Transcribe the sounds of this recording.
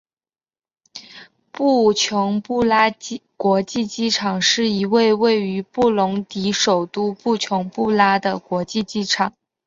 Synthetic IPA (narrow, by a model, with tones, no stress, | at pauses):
pu˥˩t͡ɕʰjʊ˧˥ŋpu˥˩la˥kwɔ˧˥t͡ɕi˥˩t͡ɕi˥ʈ͡ʂʰɑ˨˩ŋʂɻ̩˥˩i˧˥we˥˧ɪwe˥˩ɪy˧˥pu˥˩lʊ˧˥ŋt̪i˧˥ʂo˨˩ʊt̪u˥pu˥˩t͡ɕʰjʊ˧˥ŋpu˥˩la˥d̪ə˨kwɔ˧˥t͡ɕi˥˧t͡ɕi˥˩ʈ͡ʂʰɑ˨˩˦ŋ